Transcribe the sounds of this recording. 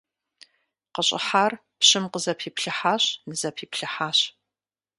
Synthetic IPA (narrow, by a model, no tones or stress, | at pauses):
qəɕʼħaːr | pɕɪmqəzɐpʰiːpɬɨħaːɕnɨzɐpʰiːpɬɨħaːɕ